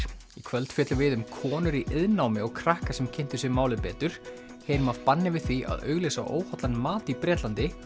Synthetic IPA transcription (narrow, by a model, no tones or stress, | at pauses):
ikʰvœlt̪fjɛːt̪lʏvɪðʏmkʰɔːnʏɾiʔɪðnawmɪɔɣkʰɾahkasɛmcʰɪn̥t̪ʏsɛmaːwlɪpɛːt̪ʏɾ̥ | heːjnmavpanːɪvɪðθia̰ðœ̰ːɥɣlejsaʔo̰ːwhɔt̪lanmaːt̪ipɾjɛːt̪lant̪ɪ